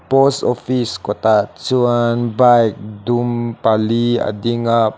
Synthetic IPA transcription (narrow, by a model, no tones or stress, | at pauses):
pɔst̪ofiskot̪at͡ʃuanbajk̚dumpalia̰diŋa